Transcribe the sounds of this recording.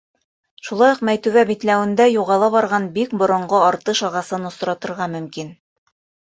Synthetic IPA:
ʃulˠɑjoqmæjt̪ʉ̆ɡæbit̪læwɘ̆nd̪æjuʁɑlˠɑβɑɾʁɑnbik̚bŏɾŏɴɢoɑɾt̪ɤʃɑʁɑsɤnŏs̆ɾɑt̪ɤ̆ɾʁɑmɵ̆mkin

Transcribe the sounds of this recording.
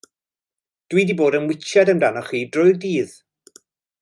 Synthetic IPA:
d̥wiːdiboːdənwɪt͡ʃɛdəmdanɔχiːdrʊɨldiːð

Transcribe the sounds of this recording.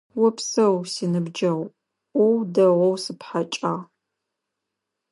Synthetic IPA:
wɔpsɐwsinɨbd͡ʒɐʁʷ | ʔʷɔwdɐʁʷɔwsɨpħat͡ʃʼaːʁ

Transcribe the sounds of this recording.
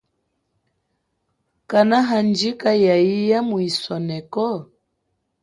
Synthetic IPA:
kanaɦand͡ʒikajaijamuisɔnɛkɔ

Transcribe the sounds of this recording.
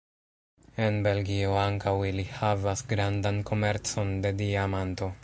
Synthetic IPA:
e̞nbe̞lɡio̞aŋkawilihavasɡɾandanko̞me̞ɾt͡so̞nde̞diamanto̞

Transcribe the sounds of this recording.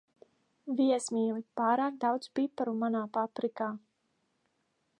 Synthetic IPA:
viɛsmiːlipaːɾaːk̚d̪awd̪zbiːpaɾumanaːpapɾikaː

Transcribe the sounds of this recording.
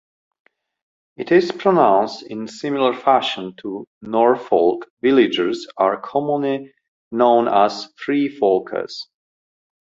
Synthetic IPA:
ɪtɪz̥pʰɹ̥ənãʊ̃nstɪ̃nsɪ̃mɪl̩ˠə˞fæʃə̃ntʰunɔɹfɔlˠkvɪlɪd͡ʒəɹzəɹkʰɔmə̃nli | nõʊ̃nəz̥fɹifɔlˠkʰə̰z̥

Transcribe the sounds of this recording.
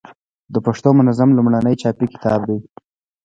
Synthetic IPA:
d̪əpaʂt̪omʊnazamlumɽanəjt͡ʃɑpikɪ̥t̪ʰɑbd̪ej

